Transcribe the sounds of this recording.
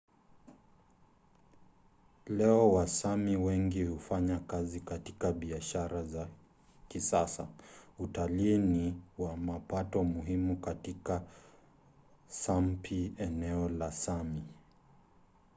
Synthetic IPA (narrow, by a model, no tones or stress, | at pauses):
lɛɔwasamiwɛŋɡihufaɲakazikati̥kaɓiaʃaɾaza | kisasa̰utaliːniwamapatɔmuɦimukatika | sampʰiɛnɛɔlasami